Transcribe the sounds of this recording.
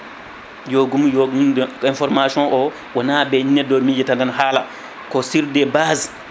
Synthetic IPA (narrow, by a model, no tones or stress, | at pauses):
joɡumjoɡumdinfɔɾmasɔ̃nʔɔ | wanaːbɛnɛdːɔmid͡ʒɛtandanɦaːla | kɔsiɾdɛbaːz